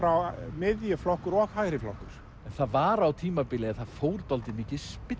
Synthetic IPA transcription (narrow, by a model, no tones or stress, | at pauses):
fɾawmɪðjʏflɔhkʏɾɔɣhaːjɾɪflɔ̰hkʏɾ̥ | ɛnθaðvaɾawt̪ʰiːmapɪːlɛaθað̥foːwɾt̪ɔlt̪ɪmiːcɪðspɪ